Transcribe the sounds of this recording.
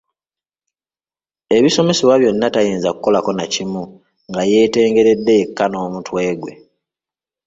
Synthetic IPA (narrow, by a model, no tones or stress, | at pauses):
e̞βiso̞me̞siβwaβjo̞nːatajeːnzakuko̞lako̞nacimu | ŋɡaje̞ːte̞ːŋɡe̞ɾe̞dːe̞ːkːano̞ːmutwe̞ːɡwe̞̰